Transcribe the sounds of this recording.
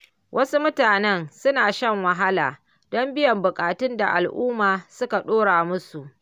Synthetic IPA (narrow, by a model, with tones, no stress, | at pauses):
wʔɐ˦su˦mʊ˦taː˨nɛ˦nsʊ˦naː˨ʃɐ˦ŋwɐ˨ɦa˦laː˨ | dɔ˦mbɪ˦jɐ˨mbʊ˨kʼaː˨tʊ˦nda̰˨ʔa˨lʔʊː˦maː˨sʊ˦ka˨ɗoː˦ɽaː˨mʊ˦su˨ʔ